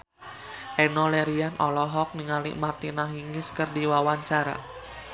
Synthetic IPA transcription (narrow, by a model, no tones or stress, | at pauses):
ʔɛnɔlɛɾianʔɔlɔɦɔk̚niŋalḭʔmart̪inaɦiŋɪskərdiwawaɲt͡ʃaɾa̰